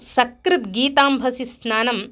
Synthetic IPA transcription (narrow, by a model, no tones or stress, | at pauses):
sɐkɾɪt̪ɡiːt̪aːmbʱɐsisnaːnɐm